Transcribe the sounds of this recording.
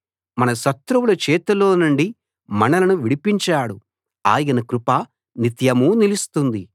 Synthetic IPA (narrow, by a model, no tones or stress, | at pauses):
mɐnɐʃɐt̪ɾɐwulɐt͡ʃɛːt̪ɐlo̞ːnuɳɖi | mɐnɐlɐnuʋiɽipiɲt͡ʃaːɽu | a̰ːjɐnɐkɾupaː | nit̪jɐmuːnilust̪und̪i